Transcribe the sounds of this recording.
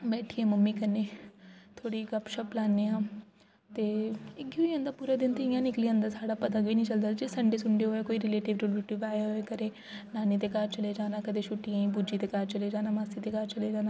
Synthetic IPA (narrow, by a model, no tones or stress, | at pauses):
bɛːʈʰiɛ̃ːməmːiːkənːeːt̪ʰoːɽikɐpʃəplaːnːeːãː | t̪eːɪɡoiə̃nd̪aːpuːɾaːd̪ɪnt̪eɪjãːnɪkliːə̃nd̪aːsaːɽaːpət̪ãːɡbiːnĩːt͡ʃəld̪aːd͡ʒeːsəɳɖeːsʊɳɖeɦoːekoːiɾɪleːʈɪʋɾulbiʈɪbaːeɦoekəɾeː | naːnet̪eːkaːɾt͡ʃəleːd͡ʒaːnaːkəd̪eʃʊʈːijãːĩːbud͡ʒiːt̪eːkaːɾt͡ʃəleːd͡ʒaːnaːmaːsiːt̪eːkaːɾt͡ʃəleːd͡ʒaːnaː